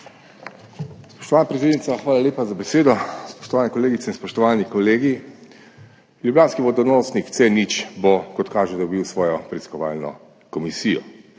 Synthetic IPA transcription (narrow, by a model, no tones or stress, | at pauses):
spɔ̥ʃt̪ɔʋaːnapɾet̪eːd̪nit̪saxʋaːlaleːpazabɛseːd̪ɔspɔ̥ʃt̪ɔʋaːnɛkɔleːɡit̪sɛinspɔʃt̪ɔʋaːnikɔleːɡi | ljublʲjaːnskiʋɔd̪ɔnɔsnikt̪sɛnit͡ʃbɔkɔt̪kaːʒɛd̪ɔbiwsʋɔːjɔpɾɛiiskɔʋaːlnɔ̰ | kɔmisiːjɔ̰